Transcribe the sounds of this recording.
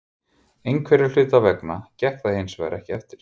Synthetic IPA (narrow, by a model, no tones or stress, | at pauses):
ejŋkʰvɛɾɪl̥ʏːt̪avɛknacɛhkθahejnsvɛ̰ɾʔɛhcɪɛft̪ɪɾ̥